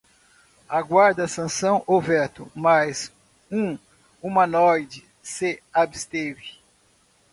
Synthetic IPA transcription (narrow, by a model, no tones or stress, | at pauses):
aɡwaɾd̪ɐsɐ̃sɐ̃w̃ʔovɛt̪ʊmajz | ũ | ũmɐnɔjd͡ʒɪ | sɪabɪst̪evɪ